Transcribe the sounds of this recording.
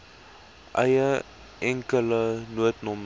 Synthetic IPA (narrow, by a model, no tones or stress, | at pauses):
ʔɐjə | ʔɛŋkələnuətnɔm